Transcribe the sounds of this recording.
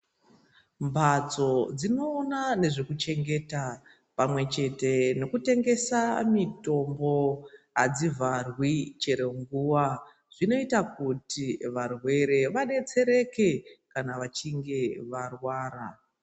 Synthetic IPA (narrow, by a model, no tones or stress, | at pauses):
mbʱat͡so̞d͡zino̞ːnane̞ʐekut͡ʃe̞ŋɡe̞ta | pamwe̞t͡ʃe̞te̞no̞kute̞ŋɡe̞samito̞mbo̞ɦad͡zivʱarwit͡ʃeɾe̞ŋɡuwa | ʐ̥ino̞itakutiʋarwe̞ɾe̞ʋaɗe̞t͡se̞ɾe̞ke̞kanaʋat͡ʃiŋɡe̞ʋarwaːɾa